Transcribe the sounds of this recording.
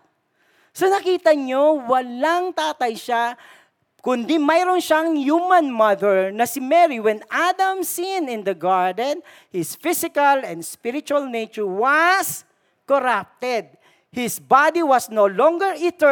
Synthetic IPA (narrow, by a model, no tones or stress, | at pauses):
sonɐkiːt̪ɐɲowɐlaŋt̪aːt̪ɐjʃa | kʊnd̪imajɾonʃaŋjumɐ̃nmɐðɛɹnɐsɪmɛɾiwɛnʔad̪ɐmsinɪ̃nd̪ɐɡaɹd̪ɛ̃n | hɪsfɪsɪkɐlɛ̃nd̪spɪɾɪt͡ʃuɐlnejt͡ʃʊɹwɐs | koɾap̚t̪ɛd̪̚ | hɪsbad̪iwɐsnolɔŋɡɛɹɪt̪ɛ